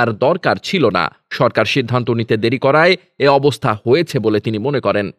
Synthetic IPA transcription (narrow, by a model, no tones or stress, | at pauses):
aɾd̪ɔɾkaɾt͡ɕʰilona̰ | ʃɔɾkaɾʃid̪ʱːant̪onit̪ed̪eɾikɔɾae | eɔbost̪ʰahojet͡ɕʰebolet̪inimonekɔɾen